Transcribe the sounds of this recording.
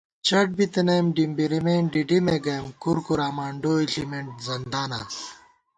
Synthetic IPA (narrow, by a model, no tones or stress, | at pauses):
t͡ɕɐʈ̚bit̪ɐnejmɖimbiɾimemɖiɖimeɡɐːmkuɾkuɾaːmaːɳɖoːiɬimeɳʈzɐnd̪aːna̰